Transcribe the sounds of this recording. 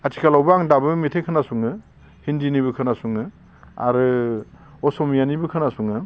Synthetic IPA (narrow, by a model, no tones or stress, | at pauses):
atʰi̥kʰalawbɯaŋdabɯmitʰejkʰɯnasuŋɯ | hindiniβɯkʰɯnasuŋɯ | a̰ɾɯ | ɔsɔmijanibɯkʰɯnasuŋɯ